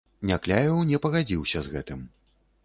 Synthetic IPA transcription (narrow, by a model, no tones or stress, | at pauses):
nʲaklʲajʲɔwnʲɛpɐɣad͡zʲiwsʲɐzɣɛt̪ɨm